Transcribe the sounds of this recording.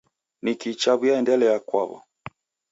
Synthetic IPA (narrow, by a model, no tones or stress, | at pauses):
nikit͡ʃaβujaɛndɛlɛjakwa̰βɔ̰